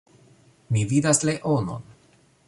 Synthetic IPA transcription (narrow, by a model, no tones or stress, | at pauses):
mividasleʔono̰n